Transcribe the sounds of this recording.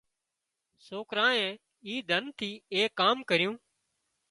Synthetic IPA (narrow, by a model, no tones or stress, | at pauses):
soːkɾãːẽː | iːd̪ʱənt̪ʰiːeːkaːmkəɾɪjũː